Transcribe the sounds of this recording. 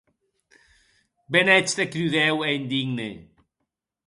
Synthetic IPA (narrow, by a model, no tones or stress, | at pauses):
benɛt͡ʃt̪ekɾuðɛweind̪iɡnḛ